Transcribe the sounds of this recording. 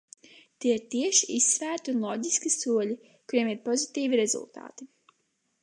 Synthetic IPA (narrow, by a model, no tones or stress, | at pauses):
t̪iɛiɾt̪iɛʃiisːvæːɾt̪iunlˠɔːɟʲiskisuɔlʲi | kuɾiɛmiɾpɔzit̪iːviɾezṵlˠt̪a̰ːt̪i